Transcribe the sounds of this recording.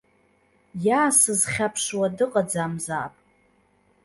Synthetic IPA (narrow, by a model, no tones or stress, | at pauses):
jaːsɨzχʲapʰʂwadɨqʼad͡zaːmza̰ːpʼ